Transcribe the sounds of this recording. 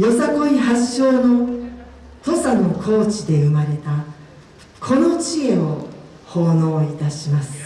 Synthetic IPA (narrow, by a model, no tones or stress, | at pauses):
jo̞sako̞ihaɕːo̞ːno̞ | t̪o̞sano̞kʰo̞ːt͡ɕid̪e̞ɯmaɾe̞t̪a | kʰo̞no̞t͡ɕie̞o̞ | ho̞ːno̞ːit̪aɕimasɨ̥